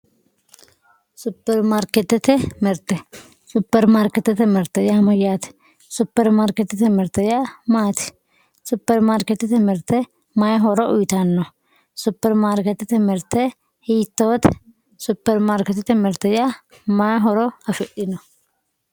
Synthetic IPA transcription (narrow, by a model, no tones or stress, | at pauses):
sʊpːɛɾmaːɾkɛt̪ɛt̪ɛmɛɾt̪ɛ | sʊpːɛɾmaːɾkɛt̪ːɛt̪ɛmɛɾt̪ɐjamɐjat̪ | sʊpːɛɾmaːɾkɛt̪ːɛt̪ɛmɛɾt̪ɐjamaːt̪ɪ̥ | sʊpːɛɾmaːɾkɛt̪ɛt̪ɛmɛɾt̪ɛ | majɦɔɾɔʔʊjt̪ɐnːɔ | sʊpːɛɾmaːɾkɛt̪ːɛt̪ɛmɛɾt̪ɛ | hiːt̪ːoːt̪ | sʊpːɛɾmaːɾkɛt̪ːɛt̪ɛmɛɾt̪ɛja | majɦɔɾɔhɐfɛʔɪnɔ